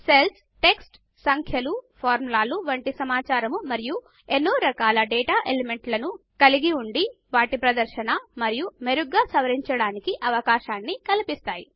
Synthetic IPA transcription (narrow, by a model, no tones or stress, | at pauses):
sels | ʈe̞ksʈ | sɐŋkʰjɐlupʰaːɾmulaːluʋɐɳʈisɐmaːt͡ʃaːɾɐmumɐɾiju | enːuɾɐkaːlɐɖeːʈaːʔeleme̞ɳʈlɐnukɐliɡiuɳɖiʋaːʈipɾɐd̪ɐɾʃɐnɐmɐɾijumeɾuɡːaːsɐʋɐɾiɲt͡ʃɐɽaːnikiʔɐʋɐkaːʃaːnːikɐlipist̪aːji